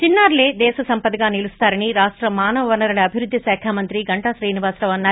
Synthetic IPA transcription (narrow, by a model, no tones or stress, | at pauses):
t͡ʃinːaːɾle̞ːd̪ɛːʃɐsɐmpɐd̪iɡaːnilust̪aːɾɐniɾaːʂʈɾɐmaːnɐʋɐʋɐnɐɾɐɭiɐbʱiɾud̪ʱːjisɛːkʰaːmɐnt̪ɾiɡɐɳʈaʃɾɛːniʋaːsɾɐʋɐnːaː